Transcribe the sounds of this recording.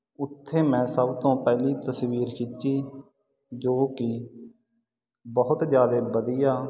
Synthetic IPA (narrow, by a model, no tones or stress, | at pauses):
ʊt̪ʰːeːmɛ̃ːsəbt̪õːpɛːliːt̪əsʋiːɾkʰit͡ʃːiː | d͡ʒoːkɪ | bəɦʊt̪d͡ʒjaːd̪eːbəd̪ɪjaː